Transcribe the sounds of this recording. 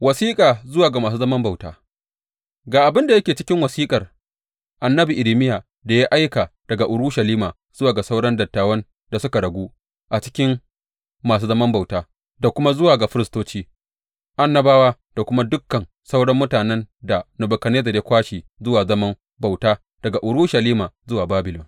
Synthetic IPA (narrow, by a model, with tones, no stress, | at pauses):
wɐ˨siː˦kʼaː˨zʊ˦waː˨ɡa˨maː˨s̬uː˦zɐ˦mɐ˦mba˨wtaː˦ | ɡaː˨ʔa˨bɪ˦nda˨jɐ˦kʲeː˨t͡ʃɪ˦kʲɪ˦ŋwɐ˨siː˦kʼɐ˨r | ʔa˨nːɐ˦bi˨ʔɪ˨ɾi˨˦mɪ˦jaː˨ | da˨ja˦ʔa˦jka˨d̥ɐ˨ɡa˨ʔʊ˨ɽʊ˦ʃɐ˨liː˦maː˨ | z̥ʊ˦waː˨ɡa˨sa˦wɽɐ˦ndɐ˨tːaː˨wɐ˦n | da˨sʊ˦ka˨ɽɐ˨ɡʷuː˦ | ʔa˨t͡ʃɪ̥˦kʲɪ˦m | maː˨s̬uː˦zɐ˦mɐ˦mba˨wtaː˦ | da˨kʷʊ˦ma˦zʊ˦waː˨ɡa˨ɸɪ˦ɾɪ˨stoː˦t͡ʃiː˦ | ʔa˦nːɐ˦baː˦waː˦ | d̥a˨kʷʊ˦ma˦dʊ˦kːɐ˨n | sa˦wɽɐ˦mːʊ˦taː˨nɛ˦nda˨nʊ˨bʊ˨kɐ˨neː˦zɐ˨rja˦kʷaː˦ʃiː˨zʊ˦waː˨zɐ˦mɐ˦m | ba˨wtaː˦ | d̥ɐ˨ɡa˨ʔʊ˨ɽʊ˦ʃɐ˨liː˦maː˨zʊ˦waː˨baː˦bɪ˨lʊ˨